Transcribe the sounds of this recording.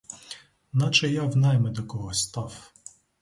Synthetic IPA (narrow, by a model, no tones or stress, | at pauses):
nɑt͡ʃɛjawnɑjmɛd̪ɔkɔɦɔsʲt̪ɑw